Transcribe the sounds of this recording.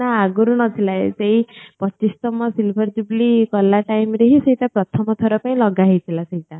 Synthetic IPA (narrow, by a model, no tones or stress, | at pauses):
aaɡuɾunɔt̪ʰilaeseipɔt͡ʃːist̪ɔmɔsilbʰʱɔɾd͡ʒublikɔlːaʈajmɾeɦisejtʈapɾɔt̪ʰɔmɔt̪ʰɔɾɔpaĩlɔɡaɦet̪ʰilaseita